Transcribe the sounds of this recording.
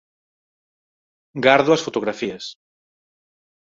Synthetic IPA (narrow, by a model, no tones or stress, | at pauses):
ɡaɾðʊɐsfot̪oɣ̞ɾafiɐs